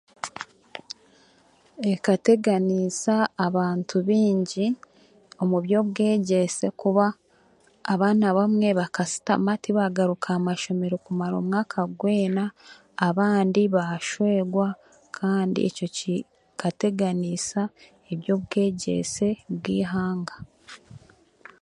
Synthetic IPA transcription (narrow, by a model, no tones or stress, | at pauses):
e̞kate̞ɡanisaːβaːntʰuβiːɲɟi | o̞muβjo̞βɡe̞ːɟe̞se̞kuβaː | βaːnaβamŋe̞βakasi̥ta̰matiβaɡaɾukʰamaʃo̞me̞ɾo̞kumaɾo̞̰ːmŋaːkʰaɡwe̞ːnaː | βaːndiβaʃweɡwa | kʰaːndḭʔḛco̞ci | kate̞ɡanisa | eβjo̞ːβɡe̞ːɟe̞̰se̞bɡḭːɦaːŋɡḁ